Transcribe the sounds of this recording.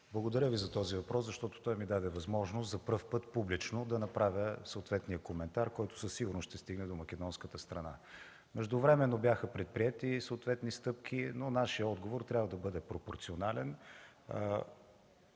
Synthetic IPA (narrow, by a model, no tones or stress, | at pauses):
blˠəɡod̪ɐɾjəvizɐt̪ɔzivɐpɾɔszɐʃt̪ɔt̪o̥t̪ɔjmid̪ad̪ɛvɐzmɔʒnoszɐpəɾfpɤt̪publit͡ʃnod̪ɐnɐpɾavʲjəsəot̪vɛt̪nijəkomɛnt̪aɾkɔjt̪ʊ̥səsiɡuɾnʊʃt̪ɛst̪iɡnɛd̪omɐkʲɛd̪ɔnskət̪əst̪ɾɐna̰ | mɛʒd̪ʊvɾɛmɛnːobʲjaxəpɾɛt̪̚pɾiɛt̪isəoːt̪vɛt̪nist̪ɤp̚k̟ʰinonaʃiəɔd̪ɡovoɾt̪ɾʲabvəd̪ɐbɤd̪ɛpɾopoɾt̪sionalɛn̰